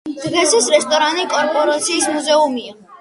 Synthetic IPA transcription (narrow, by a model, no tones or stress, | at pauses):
d̪̥ʁɛsɛsɾɛst̪ʼɔɾanikʼɔɾpʼɔɾat̪sʰiːsmuzɛumia